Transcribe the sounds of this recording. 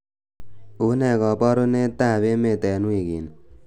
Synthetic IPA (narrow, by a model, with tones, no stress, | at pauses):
u˨nɛ˨kɔ˨pɔ˦ɾu˦ne˦t̪a˦˨βe˦me˨t̪ɛ˨nu˦i˨ɡi˨n